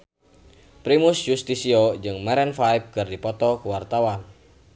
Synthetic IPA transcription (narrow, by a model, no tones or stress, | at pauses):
pɾimʊsjust̪isiod͡ʒɨŋmɛɾɛnfajp̚kɨrdipɔt̪ɔkuwart̪awan